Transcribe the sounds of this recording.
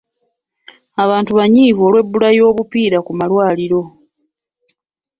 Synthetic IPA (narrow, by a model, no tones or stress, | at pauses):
aβaːntuβaɲiːvoːlwe̞bːulajo̞ːβupiːɾakumalwaːliɾo̞